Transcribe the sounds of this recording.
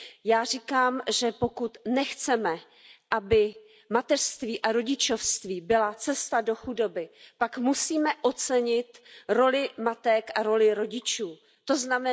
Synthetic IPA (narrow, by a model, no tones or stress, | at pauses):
jaːrikaːmʒɛpo̞kut̪nɛxt͡sɛmɛ | ʔabɪ | mat̪ɛr̥st̪viːʔaɾo̞ɟɪt͡ʃo̞fst̪viːbɪlat͡sɛst̪ado̞xudo̞bɪpakmusiːmɛʔo̞t͡sɛɲɪt̪ɾo̞lɪmat̪ɛkʔaɾo̞lɪɾo̞ɟɪt͡ʃuː | t̪o̞znamɛ